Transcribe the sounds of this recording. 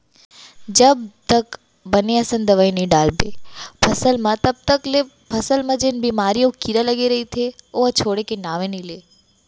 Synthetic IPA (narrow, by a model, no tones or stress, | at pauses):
d͡ʒɐbt̪ək | bɐneɐsə̃nd̪əʋəjniɖaːlbeːpʰɐsəlmɐ̃t̪ɐb̚t̪əkle | pʰɐsəlmɐ̃d͡ʒɪnbiːmaːɾijõkiɾalɐɡeɾɐɦit̪ʰeoːt͡ʃʰoːɽekenaːʋẽnileː